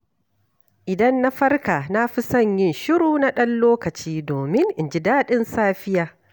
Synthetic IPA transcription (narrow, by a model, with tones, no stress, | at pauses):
ʔɪ˨dɐ˦nːa˦ɸɐ˦rka˨na˦ɸi˦sɐ˦˨ɲjɪ˦˨nʃɪ˦ɾuː˨na˦ɗɐ˦nloː˦kɐ˨t͡ʃiː˦doː˨mɪ˦ŋʔɪ˨nd͡ʒɪ˦daː˦ɗɪ˦nsaː˦ɸɪ˦jaː˨